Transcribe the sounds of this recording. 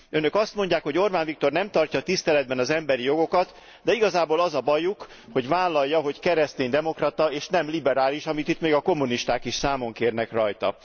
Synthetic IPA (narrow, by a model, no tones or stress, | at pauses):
ønø̞kɒst̪mo̞ɲɟaːkho̞ɟo̞rbaːnvik̚t̪o̞rnɛmt̪ɒrcɒt̪ist̪ɛlɛd̪̚bɛnɒzɛmbɛɾijo̞ɡo̞kɒt̪ | d̪ɛiɡɒzaːboːlɒzɒbɒjuk | ho̞ɟvaːlːɒjːɒɦo̞ckɛɾɛst̪eːɲd̪ɛmo̞krɒt̪ɒeːʃnɛmlibɛɾaːliʃɒmit̪it̪meːɡɒko̞mːuniʃt̪aːkiʃsaːmo̞ŋkeːrnɛkrɒjt̪ɒ̰